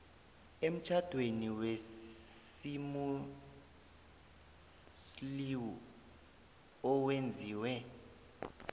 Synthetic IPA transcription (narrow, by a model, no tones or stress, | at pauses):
em̩t͡ʃʼʰad̥ʱweniwesimu | sliwu | ɔwend͡zʱiːwɛ